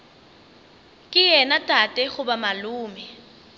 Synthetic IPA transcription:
kʼɪjɛnatʼatʼɛɣʊbamaluːmɛ

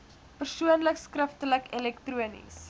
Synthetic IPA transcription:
pərsuənləkskrəftələkɛlɛktruənḭs

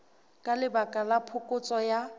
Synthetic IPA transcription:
kʼalɪbakʼalapʰʊkʼʊt͡sʼɔja

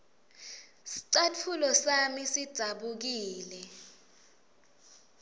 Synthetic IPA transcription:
si̥ǀat͡fʰulɔsamisid̥d̥ʱaɓuk̬iːlɛ

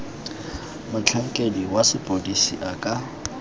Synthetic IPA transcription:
mʊt͡ɬʰɛŋ̩kʼediwasɪpʼodisiʔakʼa

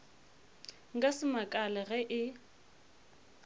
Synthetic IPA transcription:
ŋ̩kʼasɪmakʼalɛɣɛʔɪ

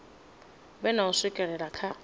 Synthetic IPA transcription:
bɛnaʊsɪkʼɛɺɛɺakʰa

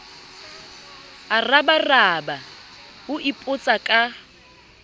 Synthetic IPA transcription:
arabaraːbahʊʔɪpʼʊt͡sʼakʼa

